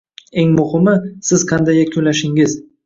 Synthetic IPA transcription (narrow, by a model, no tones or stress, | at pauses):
eŋmʊhɪmɪsɪz̥qʰɑnd̪ajakʲʰʊlaʃɪŋɪz̥